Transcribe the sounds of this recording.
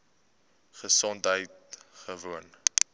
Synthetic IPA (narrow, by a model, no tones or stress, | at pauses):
χəsɔntɦəjt | χəvuən